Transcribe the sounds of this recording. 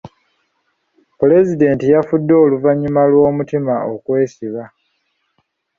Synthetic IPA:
pule̞zide̞ːntijafudːo̞ːluvaɲːumalwo̞ːmutimaokwe̞ːsiβa

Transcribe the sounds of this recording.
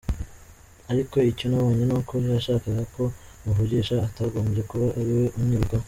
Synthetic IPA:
aɾiko̞iconaβoːɲenukoihaʃaːkaɡako̞muvuɡiʃaːtaɡoːmbje̞kuβaʔaɾiwe̞ʔuɲiɾɡwa

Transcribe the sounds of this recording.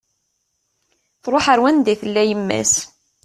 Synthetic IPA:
θɾˤoħəɾwænd̪iθəlːæjəmːæ̰s

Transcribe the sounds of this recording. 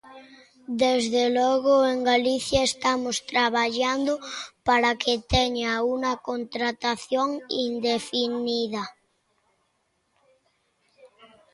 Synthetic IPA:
d̪ezðelɔɣoeŋɡaliθjaest̪amost̪ɾaβaʎand̪opaɾakʰet̪eɲaunakont̪ɾat̪aθjoŋind̪efiniða

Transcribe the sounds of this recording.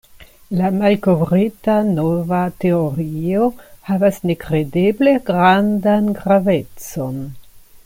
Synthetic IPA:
lamalko̞vɾitanovate̞oɾio̞havasne̞kɾe̞de̞ble̞ɡɾandanɡɾave̞t͡so̞n

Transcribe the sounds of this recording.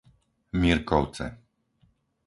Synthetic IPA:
mirkɔwt̪sɛ̰

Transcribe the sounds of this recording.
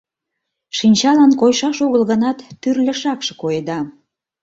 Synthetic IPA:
ʃinʲt͡ɕɑlɑnkojʃɑʃoɣəlɣənɑt̪ːyrlʲə̆ʃɑkʃĕ̥kojed̪ɑ

